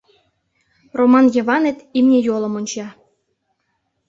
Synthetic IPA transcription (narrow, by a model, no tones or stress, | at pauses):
romɑnjɤ̆βɑnet̪imnʲejolˠɤ̆monʲt͡ɕɑ